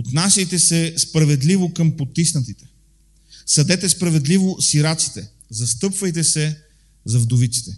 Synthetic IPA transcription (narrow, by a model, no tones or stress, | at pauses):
ot̪nasʲɐjt̪ɛsɛspɾɐvɛd̪livokɤmpot̪ːisnɐt̪it̪ɛ̥ | sɐd̪ɛt̪ɛspɾɐvɛd̪livosiɾat̪si̥t̪ɛ | zɐst̪ɤpvɐjt̪ɛsɛ | zɐvd̪ʊvit̪si̥t̪ɛ